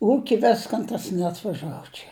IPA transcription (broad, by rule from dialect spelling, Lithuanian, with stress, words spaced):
ˈuːkʲɪ ˈʋʲɪskɐn ˈtɐs nʲɛɐtʋɐˈʒɑːʋoː t͡ʃʲɛ